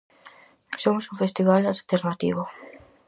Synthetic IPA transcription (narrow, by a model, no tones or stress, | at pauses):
somʊsũŋfest̪iβ̞alalt̪eɾnat̪ḭβʊ